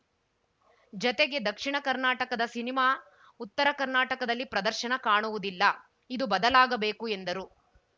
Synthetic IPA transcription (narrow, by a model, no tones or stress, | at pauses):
d͡ʒɔt̪eɡe̞d̪ɐkʂiɳɐkɐɾnaːʈɐkɐd̪ɐsinimaː | ut̪ːɐɾɐkɐɾnaːʈɐkɐd̪ɐlːipɾɐd̪ɐɾʃɐnɐkaːɳuʋud̪ilːɐ | id̪ubɐd̪ɐlaːɡɐbe̞ːkue̞nd̪ɐɾu